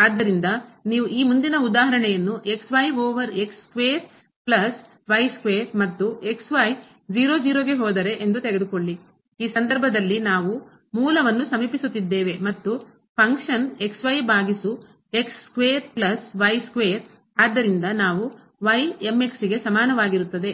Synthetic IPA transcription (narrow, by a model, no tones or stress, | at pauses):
aːd̪ːɐɾind̪ɐniːʋuʔiːmund̪inɐud̪aːɦɐɾɐɳɛjɐnːuʔe̞ksʋɐjʋɔːʋɐɾe̞kskʋeːɾ | plɐs | ʋɐjskʋeːɾmɐt̪ːue̞ksʋaːj | d͡ʒiːɾoːd͡ʒiːɾoːɡe̞ɦɔːd̪ɐɾe̞ʔend̪ut̪eɡed̪ukoɭːi | iːsɐnd̪ɐɾbʱɐd̪ɐlːinaːʋu | muːlɐʋɐnːusɐmiːpisut̪ːid̪ːeːʋe̞mɐt̪ːu | pʰɐŋkʂɐne̞ksʋɐjbʱaːɡisu | e̞kskʋeːɾplɐsʋɐjskʋeːɾ | aːd̪ːɐɾind̪ɐnaːʋu | ʋɐjeme̞ksiɡe̞sɐmaːnɐʋaːɡiɾut̪ːɐd̪e̞